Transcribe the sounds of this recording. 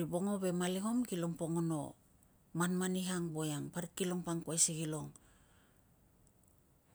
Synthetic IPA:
ibo̞ŋo̞βe̞maliɦo̞mkilo̞ŋpo̞ŋono̞̰ | manmaniɦaŋbo̞jaŋpaɾikilo̞ŋpaŋkuajsiɡilo̞ŋ

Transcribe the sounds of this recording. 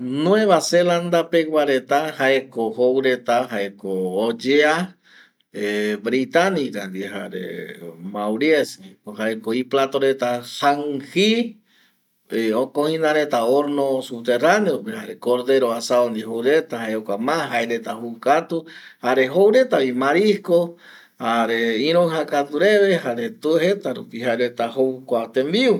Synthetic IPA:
nw̃ẽβaseland̪apeɡwʷaɾe̞t̪ahaekohowɾe̞t̪aɦaekoːd͡ʒea | ebɾit̪anĩɾand̪iɦa̰ɾḛmawɾieskoɦaekoiplat̪oɾe̞t̪asaŋhi | eokõhĩnãɾet̪aoɾnosup̚t̪eraneopehaɾekoɾd̪e̞ɾoasaond̪iɦowɾet̪ahaeokʷamãɦaeɾet̪ahukat̪uhaɾeɦowɾe̞t̪aβimaɾisko | haɾeĩɾ̃oɦakat̪uɾeβehaɾet̪uɦet̪aɾupiɦaeɾet̪ahowkʷat̪embiu

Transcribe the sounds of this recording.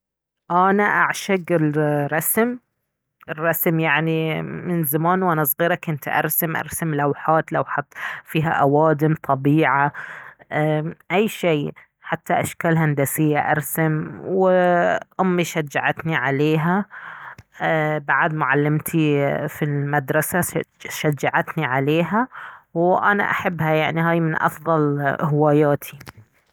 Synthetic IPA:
ʔanaʔaʕʃaɡɪlɾˤɑsm | ʔɪrˤːɑsmjaʕnimɪnzamaːnwʔanasˤɣiːɾɑkːɪnt̪ʔɑ̰ɾˤsamʔɑ̰ɾˤsamlawħaːt̪lawħɑt̪ˤfiːɦa̰ʔawaːd̪ɪmt̪ˤʰɑbiːʕa | ʔajːʃeː | ħat̪ːaʔaʃkaːlɦand̪asɪjːaʔɑ̰ɾˤsamw | ʔʊmːiʃad͡ʒːaʕat̪niʕaleːɦa | baʕad̪mʊʕalːɪmt̪ʰifilmad̪ɾˤɑsaʃad͡ʒːaʕat̪niʕaleːɦawʔana̰ʔa̰ħabːhajaʕniɦaːjmɪnʔɑ̰fðˤɑlhɪwaːjaːt̪ʰi̥

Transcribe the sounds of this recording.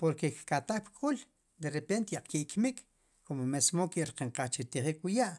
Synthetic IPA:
poɾkekkat̪aχpkʼul | d̪eɾepent̪jaq͡χkiʔkmik | komomesmokiʔɾqiɴqaχt͡ʃit̪iχiːkwijaʔ

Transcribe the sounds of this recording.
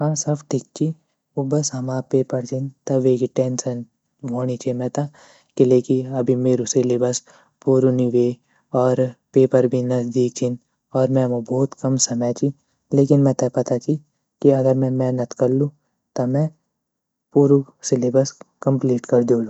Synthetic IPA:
ɦãːsɐbʈʰɪkːi | obɐsɦɐmaːpeːpəɾt͡ʃʰint̪ɐʋeːkiʈɛ̃ːnsən | ʋoːnit͡ʃʰemɛ̃t̪a | kileːkiɐbʱimeːɾusɪlebəs | puːɾuniʋeː | ɔːɾpeːpəɾbʱinɐzd̪iːk̚t͡ʃʰin | ɔːɾmɛ̃mobɔːt̪kɐmsɐmɛːt͡ʃʰi | leːk̬ɪnmɛ̃t̪ɐpɐt̪at͡ʃʰi | kiɐɡəɾmɛ̃mɛ̃nɐt̪kɐɾlũː | t̪ɐmɛ̃ | puːɾusɪlebɐskɐ̃mpliːʈkɐɾd̪oːluː

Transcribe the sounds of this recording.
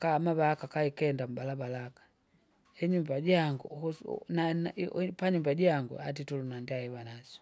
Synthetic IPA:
kamaβalakakaikɛndam̩balabalakḁ | ɛɲumbaɟaŋɡunanpaɲumbaɟaŋɡṵat̬itulunandiaiβanasɔ̥

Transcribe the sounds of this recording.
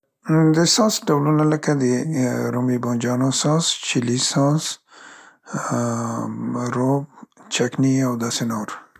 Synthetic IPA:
d̪esãːsʈɐblunɐlɐkɐd̪iɾomibõːnd͡ʒaːnõːsãːst͡ʃʰilisãːs | ɾoːb̚t͡ʃʰɐkniawd̪ɐsenoːɾ

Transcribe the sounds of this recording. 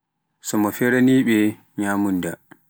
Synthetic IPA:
sɔmɔfɛɾaniːɓɛ | ɲaːmunda

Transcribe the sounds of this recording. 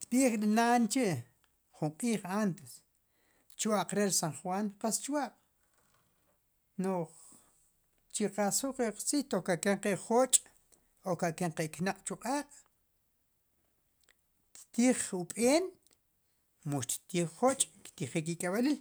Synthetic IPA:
t̪ɓiːχklinaːnt͡ʃiʔ | χuɴqʼiːχant̪es | t͡ʃwaʔqʼɾeɾsaɴχwanqast͡ʃwaqʼ | noχ | t͡ʃiqasuqeqt͡siht̪okaʔkeɴqeʔχot͡ʃʼ | okaʔkeɴqeʔknaqʼt͡ʃuqʼaːqʼ | t̪t̪iːχupʼeːn | muʃt̪t̪iːχot͡ʃʼkt̪iχik̬ikʼaɓalil

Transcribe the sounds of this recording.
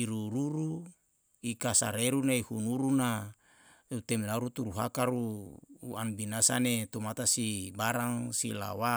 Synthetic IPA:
iɾuɾuɾu | ikasa̰ɾeɾunaihunuɾuna | ut̪emlaɾut̪uɾuɦa̰kaɾuuanbinasanet̪umat̪asibaɾaŋsila̰wa

